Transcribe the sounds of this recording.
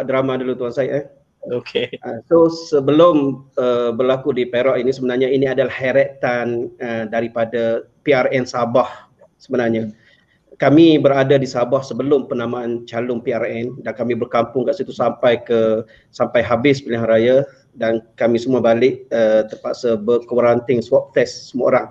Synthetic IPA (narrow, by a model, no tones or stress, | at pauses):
aʔdɾamãdulut̪uansaiʔa | okeʔasosəbəlʊməbərlakudipeɾaʔinisəbənarɲainiadalahɛɾɛt̪anədaɾipada | piarɛnsabah | səbənarɲa | kamĩbəɾadadisabahsəbəlʊmpənamaant͡ʃalʊŋpiarɛndankamĩbərkampʊŋkaʔsit̪usampajkə | sampajɦabɪspilɪɦaɾaja | dankamĩsəmuabalɪʔ̚ət̪əpasabəkwaɾant̪ɪŋswɔp̚t̪ɛsːəmuao̰ɾaŋ